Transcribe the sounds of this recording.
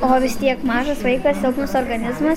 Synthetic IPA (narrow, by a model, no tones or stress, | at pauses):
oːʋʲɪst̪ʲiɛkmɑːʒɐsʋɐɪkɐsʲɛʊkmʊsoːɾɡɐnʲɪzmɐ